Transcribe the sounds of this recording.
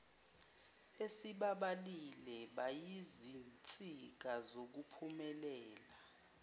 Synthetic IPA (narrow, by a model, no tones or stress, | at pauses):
esiɓaɓalilɛɓajizint͡sʼik̬azok̬upʰumɛlɛːla